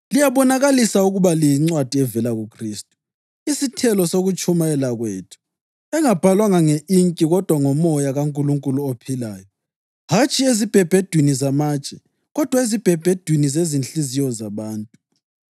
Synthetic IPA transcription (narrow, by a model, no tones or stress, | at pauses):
lijaβɔnaɣalisauɣuβaliiŋ͡ǀwad̥ʱiɛvɛlaɣukʰriːstʼu̥ | isitʰɛlɔsoɣut͡ʃʼumaɛlaɣweːtʰu̥ | ɛŋab̥ʱalwaŋaŋeiŋkʼiɣɔd̥ʱwaŋɔmɔjaɣaŋkʼuluŋkʼuluopʰilaːjɔ | hat͡ʃʼiezib̥ʱɛb̥ʱed̥ʱwinizamat͡ʃʼɛ | ɣɔd̥ʱwaezib̥ʱɛb̥ʱed̥ʱwinizezinɬizijɔzaβaːntʼu